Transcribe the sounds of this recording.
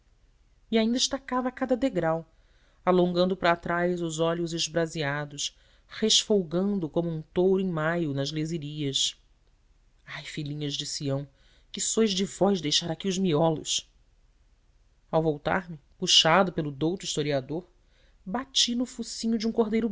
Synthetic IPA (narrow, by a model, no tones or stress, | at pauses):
iaĩnd̪ɐɪʃt̪akavɐkad̪ɐd̪eɡɾaw | alõŋɡɐ̃nd̪ʊpɾɐːt̪ɾajzʊzɔʎʊzɪʒbɾaziad̪ʊʃ | heʃfowɡɐ̃nd̪ʊkõmʊũt̪owɾʊẽmajʊnɐzleziɾiɐs | ajfilĩɲɐʒd͡ʒɪsiɐ̃w̃ | kɪsojʒd͡ʒɪvɔjzd̪ejʃaɾakʲiʊʒmiɔlʊ̰s | awvowt̪a̰ɾmɪpuʃad̪ʊpelʊd̪owt̪ʊiʃt̪oɾiad̪oɾ | bat͡ʃinʊfusĩɲʊd͡ʒɪũŋkoɦd̪ejɾʊ